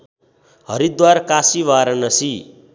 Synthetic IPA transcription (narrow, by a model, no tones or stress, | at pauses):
hʌɾid̪waɾkasiʋaɾʌnʌsi